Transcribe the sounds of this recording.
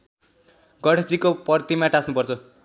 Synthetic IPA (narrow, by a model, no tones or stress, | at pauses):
ɡʌɽed͡zikopʌrt̪imaʈasnupʌrt͡sʰʌ